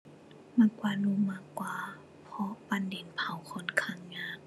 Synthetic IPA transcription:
maː˧˩kwaː˧˩nuː˧maː˧˩kwaː˧ | pʰɔ˧˦pa˧˨nde˨npʰa˨˩˨wkʰɔ˧˦nkʰa˧˥˨ŋɲaː˧˥˨k̚

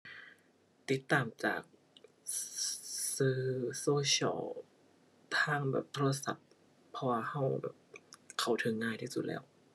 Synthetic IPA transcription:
t̪i˧˦˥t̪ːaː˨˩mt͡ɕa̰ː˨˩k̚ | sɯː˧˩soː˧ɕʰɔ̰˧˥ | t̪ʰaː˧˥˩ŋbɛ̰ː˨˩p̚t̪ʰoː˧a˧sa̰˨˩p̚ʰː | ɔː˧wa˧ha˧˥˩wbɛ̰ː˨˩p̚kʰa˨˩wt̪ʰɤ˨˦ŋːaː˧˩jt̪ʰi˧˥˩su˨˩t̪̚lɛ̰ː˧˥˩w

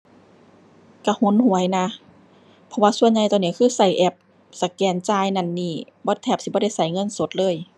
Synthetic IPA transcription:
ka˧˩hu˧˥˨nhu˧˦ə˦jna˧ | pʰɔ˧waː˧su˧əɲa˧˩jt̪ɔ˧˩˨niː˧˩kʰɯː˧˥˨sa˧˩jʔɛ˧˩p̚ | sa˧˦kɛː˧˩nt͡ɕaː˧˨jna˧˩nːiː˧˩bɔː˧˦t̪ʰɛː˧˩p̚si˧bɔ˧˦ɾa˧˩˨jsa˧˩˦jŋɤ˧˥˨nso˧˦t̪̚lɤː˧˨j

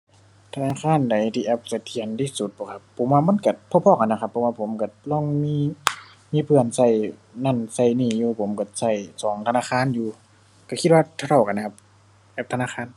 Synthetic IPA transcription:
t̪ʰa˧naː˧˨kʰaː˧˥˨nda˨˦jt̪ʰiː˧ʔɛ˧˥p̚sa˧˩t̪ʰi˧˩ə˨nt̪ʰiː˧˩˨su˧˦t̪̚bɔː˨˧˩kʰa˧pʰːo˨˦mwaː˧ma˧˥˨nka˧˩pʰɔ˧˨pʰɔː˧˩˨ka˨nːa˧˩kʰa˧pʰːɔ˧˦waː˧pʰo˨˦mka˧˩lɔː˧˩˨ŋmiː˧˥˨ | miː˧˥˨pʰɯ˧˩ənsa˧˩j | na˧˩˨nsa˧˩jniː˧˩juː˧˩pʰo˨˦mka˧˩sa˧˩jsɔː˨˦ŋt̪ʰa˧naː˧˨xʰaː˧˥˨njuː˧ | ka˧˩kʰi˧t̪̚waː˧t̪ʰa˧t̪ʰa˧˩wka˨n˧kʰa˧p̚ | ʔɛː˧˩p̚t̪ʰa˧naː˧˥˨xʰaː˧˥˨n

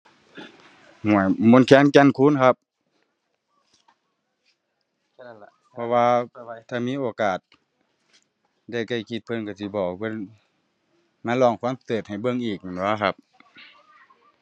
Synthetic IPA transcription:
mu˧˩əjmo˧˥˨nkʰɛː˧˥˨nkɛ˧˨nkʰuː˧˥˨nkʰa˧p̚ | pʰɔ˧waː˧t̪ʰaː˧˩miː˧˥˨ʔoː˨˩kaː˨˩t̪̚ | da˧˩jka˧˩jkʰi˧t̪̚pʰɤ˧˥˨nka˧˩si˧˩bɔː˨˩kpʰɤ˧˥˨n | ma˧˥˨nlɔː˧˩˨ŋkʰu˧˥˨m˧t̪ɤː˨˩t̪̚ha˨˩jbɤ˧˨ŋʔiː˨˩k̚ːnwaː˧˥˩kʰa˧p̚

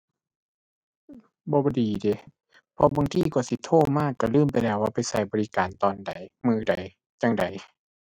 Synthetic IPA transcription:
bɔː˧bɔː˧diː˨deː˨˦ | pʰɔ˧baː˧˨ŋt̪ʰiː˧˩kɔ˧˩si˧˦t̪ʰoː˧˩maː˧˥˨kːa˧˩lɯː˧˥˨mpa˨jlɛː˧˩waː˧˩˨pa˨jsa˧˩jbɔː˨li˧kaː˨˩nt̪ɔː˨˦nda˨jmɯː˧˦da˨j | t͡ɕaː˧ŋda̰˨j

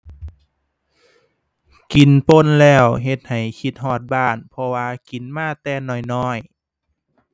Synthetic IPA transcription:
ki˨˩˦npo˧˥˨nlɛː˧˥˩wɦe˧t̪̚ha˨˩jkʰi˧˩t̪̚ɦɔː˧˩t̪̚baː˧˩npʰɔ˧waː˧ki˨˩˦nmaː˧˥˨t̪ɛː˧˩nɔː˧˩jnɔː˧˥˩j

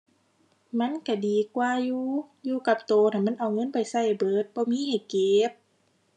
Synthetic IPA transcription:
ma˧˥˨nka˧˩diː˨˩kwaː˧juː˧juː˧ka˧˩p̚t̪oː˨na˧˩ma˧˥˨nʔa˨˩wŋɤ˧˥˨npa˨˩jsa˧˩jbɤː˨˦t̪̚bɔː˧˦miː˧˥˨ha˧˨˩jke˨˦p̚

